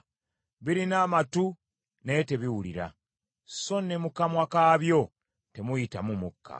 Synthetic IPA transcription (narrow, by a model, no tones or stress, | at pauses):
βiɾinaːmatu | ne̞te̞βiwulḭɾa̰ | so̞nːemukamwakaβjo̞ | te̞mujitamumukʰːa̰